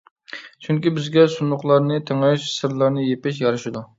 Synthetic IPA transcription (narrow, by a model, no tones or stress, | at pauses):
t͡ʃʰyŋkʲibɪzɡʲɛsunʊχlˠɑɾnɨt̪ʰeŋɑyʃsɨɾlˠɑɾnɨjepɪʃ̬jɑɾɨʃɪd̪u